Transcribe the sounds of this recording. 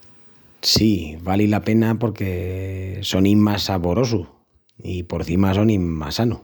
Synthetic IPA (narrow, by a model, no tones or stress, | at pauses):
siβalilape̞napo̞ɾke̞ | so̞nimasaβo̞ɾo̞su | ipo̞ɾθimas̬o̞nima̰sanu